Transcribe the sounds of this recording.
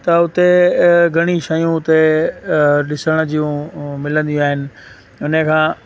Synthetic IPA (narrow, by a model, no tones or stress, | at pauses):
t̪ɐʊt̪eɡʱɐɽ̃iʃɐjũʊt̪e | ɗɪsəɽ̃əd͡ʑijũmɪlə̃nd̪ijũaːɦɪnɪ̆ | ʊnəkʰãː